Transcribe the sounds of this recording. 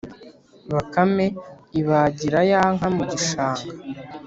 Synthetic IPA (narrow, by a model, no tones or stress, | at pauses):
βakame̞iβaɟiɾajaŋ̥ɦamuɟiʃaːŋɡa